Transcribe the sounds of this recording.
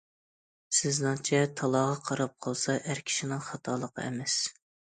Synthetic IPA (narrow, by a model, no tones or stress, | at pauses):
sɪznɑŋt͡ʃʰɛt̪ʰɑlˠɑʁɑqʰɑɾɑp̚qʰɑlˠsɑʔæɾkʲʰi̥ʃinɪŋχɑt̪ʰɑlˠəqʰɑ̰emɛs